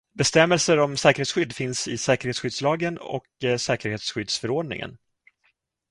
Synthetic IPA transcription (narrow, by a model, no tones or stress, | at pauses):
bɛst̪ɛmːɛlsəɾɔmsɛːkəɾeːt̪sɧʏd̪ːfɪnsɪsɛːkəɾheːt̪sɧʏd̪slɑːɡənɔ̰ksɛːkəɾheːt̪sɧʏd̪sfœɾɔːɖnɪ̰ŋə̰n